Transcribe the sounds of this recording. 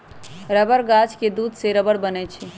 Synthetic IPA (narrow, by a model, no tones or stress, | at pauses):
ɾəbəɾɡat͡ʃked̪uːd̪seɾəbəɽbənɛt͡ʃʰi